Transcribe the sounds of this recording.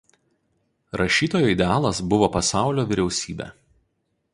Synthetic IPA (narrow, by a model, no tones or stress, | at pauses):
ɾʔɐʃʲiːt̪oːjoːɪd̪ʲɛɑːlˠɐsbʊʋoːpɐsɑˑʊlʲoːʋʲɪɾʲɛʊsʲiːbʲɛ̰ː